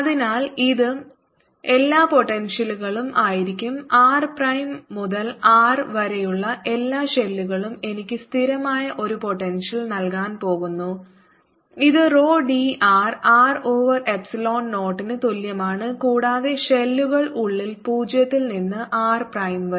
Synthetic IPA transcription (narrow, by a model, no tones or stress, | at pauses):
ɐðinaːliðɨ | e̞lːaːpo̞ʈːe̞nʂɐluɣɐɭumʔaːjiɾikʲːumaːrprɐjmːuðɐlaːrʋɐɾejuɭːɐʔe̞lːaːɕe̞lːuɣɐɭume̞nikʲːɨst̪ʰiɾɐmaːjɐʔo̞ɾupo̞ʈːe̞nʂɐlnɐlkaːnpo̞ːɣunːu | iðɨro̞ːɖiaːraːroːʋɐre̞psɐlo̞ːnno̞ːʈːinɨt̪oljɐmaːɳɨkuːɽaːðe̞ɕe̞lːuɣɐɭuɭːilpuːd͡ʑjɐt̪ːilninːɨʔaːrprɐjmʋɐ